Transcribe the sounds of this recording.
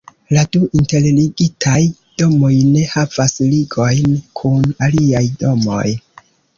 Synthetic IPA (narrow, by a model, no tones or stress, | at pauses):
laduinte̞lliɡitʰaj | d̥o̞mo̞jne̞havasliɡo̞jnkʰunaliajdo̞mo̞̰j